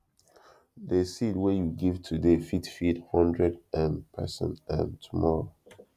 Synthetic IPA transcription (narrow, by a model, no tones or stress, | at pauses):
desid̚wɛjuɡivtʰudefitfithɔ̃ndɹɛdɛ̃npʰɛ̰sɛ̰̃ntə̰̃ntʰumɔɹo